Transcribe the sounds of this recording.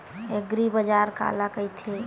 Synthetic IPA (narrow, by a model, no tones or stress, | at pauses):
eɡɾibəd͡ʒaɾka̰lakəjt̪ʰe